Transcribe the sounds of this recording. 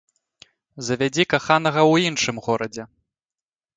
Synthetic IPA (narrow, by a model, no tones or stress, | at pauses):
zɐvʲad͡zʲikaxanɐɣɐwinʂɨmɣɔɾɐd͡zʲɛ